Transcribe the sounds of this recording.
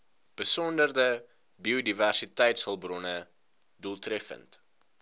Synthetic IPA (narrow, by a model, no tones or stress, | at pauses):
b̥əsɔndərdə | biodiværsitɛjtshəlˠbrɔnə | duəlˠtrɛfə̰nt